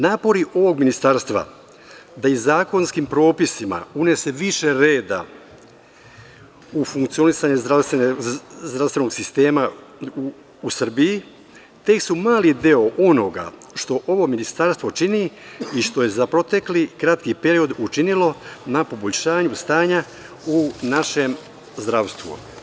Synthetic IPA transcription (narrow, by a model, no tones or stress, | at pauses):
naːpo̞ɾiʔo̞ʋo̞ɡminist̪aɾst̪ʋa̰ | d̪aizaːko̞nskimpɾo̞ːpisima̰une̞se̞ʋiʃe̞ɾe̞ːd̪a̰ | ufuŋkt̪sio̞nisaɲeɾast̪ezd̪ɾavst̪ʋe̞no̞ɡsist̪e̞ːma | sr̩bii | t̪e̞ksumaːlid̪eo̞ʔo̞no̞ɡa̰ | ʃt̪o̞ʔo̞ʋo̞minist̪aɾst̪ʋo̞t͡ʃiniiʃt̪o̞je̞zapɾo̞t̪e̞klikɾat̪kipe̞ɾio̞d̪ut͡ʃinilo̞napo̞bo̞ʎʲʃaːɲust̪aːɲa | unaʃe̞m | zd̪ɾaʋst̪ʋṵ